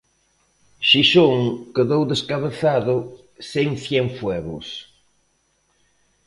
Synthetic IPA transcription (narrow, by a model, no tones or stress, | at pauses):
ʃiʃoŋkeðowðeskaβeθaðʊ | seŋθjɛŋfwɛɣʊ̰s